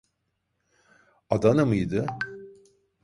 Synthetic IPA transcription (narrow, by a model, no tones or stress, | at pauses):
ad̪anɯmɯjd̪ɯ